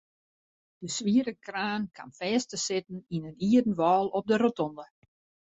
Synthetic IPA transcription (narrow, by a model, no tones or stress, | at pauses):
d̥əsʋiəɾəkraːnkʰa̰nfɛːstəsɪtn̩inəniədən̩ʋɔːlˠɔp̚dərotɔndə